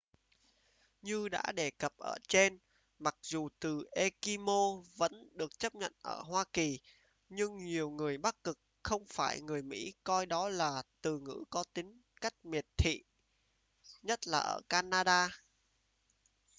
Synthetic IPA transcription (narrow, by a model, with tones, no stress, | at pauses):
ɲɨ˧ɗa̰ː˧˥ɗe˧˩kə˨˩p̚ʔə̰ː˧˩t͡ɕe˧n | ma˨˩k̚zu˨˩t̪ɨ˨˩ʔe˧ki˧mo˧və̰˧˥nɗɨ˨˩ək̚t͡ɕə˦˥p̚ɲə̰˧˨nʔə̰ː˧˩ɦwaː˧ki˨˩ | ɲɨ˧ŋɲi˨˩əwŋɨ˨˩əjɓa˦˥k̚kɨ˨˩k̚xə˧wŋ͡mfaː˧˩jŋɨ˨˩əjmḭ˧˥kɔ˧jɗɔ˨˦laː˨˩t̪ɨ˨˩ŋɨ̰˧˥kɔ˨˦t̪ï˨˦ŋ̟ka˦˥jk̟̚mi˨˩ət̚t̪ʰḭ˧˨ | ɲə˦˥t̚laː˨˩ʔə̰ː˧˩kaː˧naː˧ɗaː˧